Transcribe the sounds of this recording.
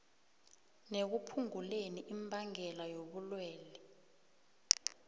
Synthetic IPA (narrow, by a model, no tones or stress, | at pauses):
nek̬upʰuŋuleniʔimbʱaŋɛlajoɓulwɛːlɛ